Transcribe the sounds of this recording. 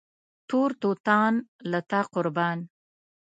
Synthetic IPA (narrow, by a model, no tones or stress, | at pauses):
t̪oɾt̪ot̪ɑnlat̪aqʊɾbɑːn